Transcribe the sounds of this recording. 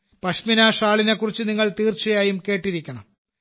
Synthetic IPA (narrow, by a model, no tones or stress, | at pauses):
pɐʂminaːʂaːɭine̞kːurit͡ɕːɨniŋːɐɭt̪iːrt͡ɕɐjaːjumke̞ːʈːiɾikʲːɐɳɐ̰m